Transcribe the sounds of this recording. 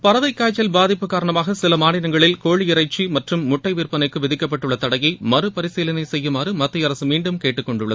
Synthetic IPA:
pɐɾɐðɐɪkːaːjt͡ʃːɐlbaːðɪpːɯkːaːɾɐɳɐmaːɣɐsɪlɐmaːnɪɾɐŋɡɐɭɪlkoːɻiɪɾɐɪt͡ʃːimɐʈrɯmːʊʈːɐɪʋiːrpɐnɐɪkːɯʋɪðɪkːɐp̬ːɐʈːɯɭːɐt̪ɐɽɐjɐɪmɐɾɯpɐɾɪseːlɐnɐɪsɛjːɯmaːɾɯmɐt̪ːɪjɐɾɐsɯmiːɳɖɯmkeːʈːɯkːɔɳɖɯɭːɐð

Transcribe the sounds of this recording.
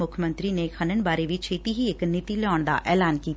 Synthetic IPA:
ʊkʰmənt̪ɾiːnekʰənəɳbaːɾeʋit͡ʃʰeːt̪iːɦiɪknɪt̪iːlɛɔːɳd̪a̰ːʔɛːlaːnkiːt̪

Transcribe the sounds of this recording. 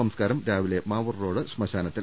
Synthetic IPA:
ɐmskaːɾɐmɾaːʋile̞maːʋɐrro̞ːɽɨɕmɐɕaːnɐt̪ːil

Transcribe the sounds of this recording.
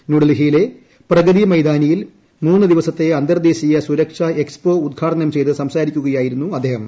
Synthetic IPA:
nuɽɐlɦijile̞ | prɐɡɐðimɐjd̪aːnɐjil | muːnːɨd̪iʋɐsɐt̪ːe̞ɐnd̪ɐrd̪e̞ːɕijɐsuɾɐkʂɐekspo̞ːud̪̚ɡʰʱaːʈɐnɐmt͡ɕe̞jt̪ɨsɐmsaːɾikʲːuɣɐjaːjiɾunːuɐd̪ʱːeːhɐm

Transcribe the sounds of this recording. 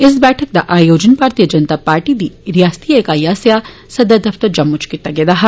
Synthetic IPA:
ɪsbɛːʈʰɐk̚d̪ɐʔaːjoːd͡ʒɐnpaːɾt̪ijɐd͡ʒɐnt̪aːpaːɾʈid̪iɾijaːst̪ʰijeːkaːjaːsja | sɐd̪ɐd̪ɐft̪ɐɾd͡ʒɐmːut͡ʃkit̪ːɐɡeːd̪ɐɦɐ

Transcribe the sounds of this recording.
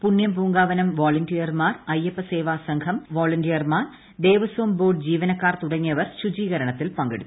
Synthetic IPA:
puɳjɐmpuːŋɡaːʋɐnɐmʋoːlɐndijɐrmaːrɐjepːɐse̞ːʋaːsɐŋkʰɐmʋoːlɐndijɐrmaːr | d̪e̞ːʋɐsoːmboːɖd͡ʑiːʋɐnɐkːaːrt̪uɽɐŋːijɐʋɐrɕud͡ʑiːɣɐɾɐɳɐt̪ːilpɐŋɡeɽut̪ː

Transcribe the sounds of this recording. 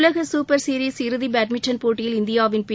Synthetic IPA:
lɐɣɐsuːpɐɾsiɾisɪɾɯðibaːʈ̚mɪt͡ʃːɐnpoːʈːɪjɪlɪnd̪ɪjaːʋɪnpɪ

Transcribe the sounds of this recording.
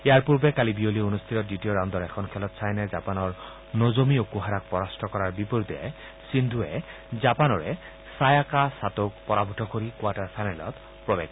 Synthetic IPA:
ejaɹpuɹbɛkalibiolionust̪ʰitɔt̪̚ditioɹãwnd̪ɔɹɛkʰɔnkʰɛlɔt̪sajnɛzapanɔɹ | nozomiokuɦaɹak̚pɔɹastʰɔkɔɹaɹbipɔɹut̪ɛ̰ | sind̪ʱuɛ | zapanɔɹɛ | sajakasat̪ok̚pɔɹabʱɔtʰɔkoɹikwaʈaɹsʰanɛlɔ̰t̪ | pɹɔbɛ̰ɡ

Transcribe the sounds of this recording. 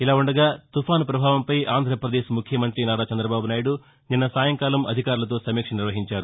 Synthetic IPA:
ilaːuɳɖɐɡaːt̪upʰaːnupɾɐbʱaːʋɐmpɐjʔaːnd̪ʱɾɐpɾɐd̪eːʃmukʰjɐmɐnt̪ɾinaːɽaːt͡ʃɐnd̪ɾɐbaːbunaːjiɽu | ninːɐsaːjɐŋkaːlɐmɐ̰d̪ʱikaːɾulɐt̪̬o̞ːsɐmiːkʂɐniɾʋɐɦiɲt͡ʃaːɾu

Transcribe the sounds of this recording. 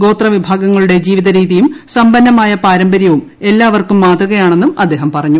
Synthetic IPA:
ɡo̞ːt̪rɐʋibʱaːɡɐŋːɐɭuɽe̞d͡ʑiːʋiðɐɾiːðijumsɐmbɐnːɐmaːjɐpaːɾɐmbɐɾjɐʋum | e̞lːaːʋɐrkumːaːt̪ruɣɐjaːɳe̞nːumɐd̪ːe̞ːɦɐmpɐrɐɲːu

